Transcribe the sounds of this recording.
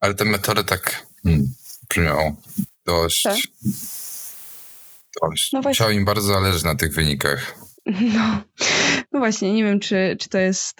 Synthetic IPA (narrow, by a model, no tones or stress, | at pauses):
alɛt̪ɛmɛt̪ʰɔɾɘt̪ak | m̩pmʲɔ̰wd̪̥ɔɕ | d̪̥ɔɕt͡ɕ̪vat͡ɕawimbaɾdzɔzalɛʐɨt͡ɕnat̪ɘɣvɘɲika̰x | nɔ | nɔvwaɕɲɛɲɛvʲjɛmt͡ʂɘt͡ʂɨ̥t̪ɔjɛst̪